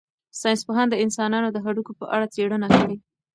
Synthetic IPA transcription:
sɑjnspoɦɑnd̪əɪnsɑnɑnod̪əɦaɽukopəʔaɽat͡seɽənakaɽi

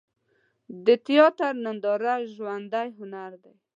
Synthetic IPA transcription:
d̪ət̪ɪjɔt̪aɾnand̪ɑɾaʒwand̪ajɦʊnaɾd̪aj

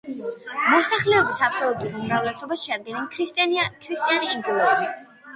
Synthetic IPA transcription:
mɔsaχlɛɔbisapʰsɔlˠut̪ʼuɾumɾavlɛsɔbasʃɛad̪̚ɡɛninkʰɾikʰɾist̪ʼianiːŋɡ̪ulˠɔbi

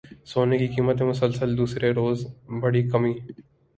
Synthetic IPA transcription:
soːnekikiːmət̪ẽmʊsəlsəld̪uːsɾeɾoːzbɐɽikɐmiː

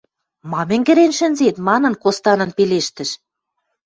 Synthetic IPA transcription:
mɑmɘ̆ŋɡɘ̆ɾenʃɘ̆nzet̪mɑnɤ̆nkost̪ɑnɤ̆npeleʃt̪ɘ̆ʃ

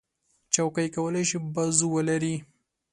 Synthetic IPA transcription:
t͡ʃawkajkawəlajʃibazuwəlaɾi

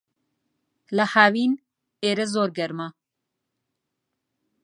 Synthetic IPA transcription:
lɐhaːwiːn | eːɾɐzoːɾɡɐɾma

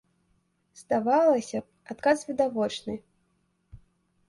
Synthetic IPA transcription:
zd̪avalˠɐsʲɐ | at̪kasvʲid̪avɔt͡ʂnɨ

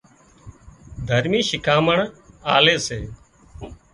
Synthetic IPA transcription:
d̪ʱəɾmiːʃɪkʰaːməɳaːleːseː

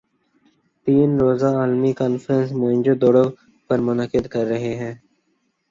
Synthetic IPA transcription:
t̪iːnɾoːzaaːlmikaːnfɾə̃nsmõɪ̃nd͡ʒod̪oːɽo | pɐɾmʊnəkɪd̪kɐɾːɐɦeɦɛ̃ː

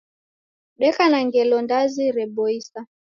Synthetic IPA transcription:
ɗɛkanaŋɡɛlɔndaziɾɛɓɔisa

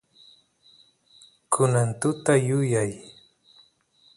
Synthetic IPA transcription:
kʰʊnant̪ʊt̪ajʊjaj

